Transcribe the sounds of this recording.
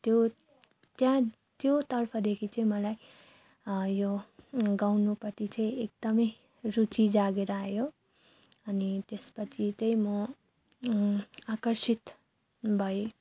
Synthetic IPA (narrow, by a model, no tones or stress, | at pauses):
t̪jo | t̪jã | t̪jot̪ʌrpʰʌd̪ekʰit͡sʌĩmʌlaj | joɡawnupʌt̪it͡sʌĩek̚d̪̥ʌmʌj | rut͡sid͡zaɡeɾʌajo | ʌnit̪espʌt͡sʰit͡sʌ̃j̃mʌ | akʌrsit̪ | bʱʌj